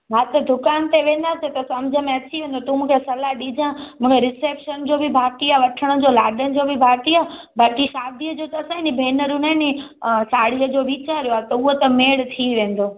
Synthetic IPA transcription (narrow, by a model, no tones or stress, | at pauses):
ɦaːt̪ɐd̪ʱʊkaːnt̪eʋẽːnd̪aːset̪ɐsɐmd͡ʑʱəmẽɐt͡ɕiʋẽːn̆d̪ot̪umũːkʰesɐlaɗid͡ʑãmũːkʰeɾɪseːpʃənd͡ʑobʱibʱaːʈiaːʋɐʈʰəɽ̃ə̆d͡ʑolaːɖənɪ̆d͡ʑobibʱaːʈ̪iaː | baːkiʃaːd̪ʱijəd͡ʑot̪ɐsãɦɪnibʱeːnəɾũnaɪnisaːɽ̤iəd͡ʑoʋiːt͡ɕaːɾjoat̪ɐuɦot̪ɐmeːɽt̪ʰiʋẽːn̆d̪oː